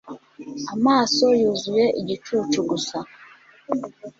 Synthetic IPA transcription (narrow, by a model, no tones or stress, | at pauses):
amaːso̞juːzuje̞ʔiɟit͡ʃuːt͡ʃuɡusa